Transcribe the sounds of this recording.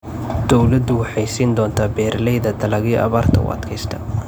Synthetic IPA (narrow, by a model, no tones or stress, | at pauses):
d̪̥ɔwlɐd̪ʊwɑħɑjsiːnd̪ɔːnt̪ʰaːbɛːɾlɛjðɐd̪ɐlɐɣiʔɐ̰βaːrt̪ʰɐ̰ṵɐ̰d̪kʰɛjst̪ʰɐ